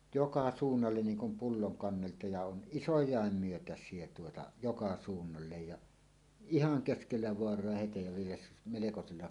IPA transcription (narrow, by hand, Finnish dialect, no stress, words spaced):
jokɑ suːnːɑlːen niːŋ kum pulːoŋ kɑnːeltɑ jɑ on ʔisojˑɑˑem myøtæsˑie tuotɑ jokɑ suːnːɑlːej jɑ ihɑŋ keskelːæ ʋoɑrˑoɑ hetej jɑ ʋielæ melekoselːɑ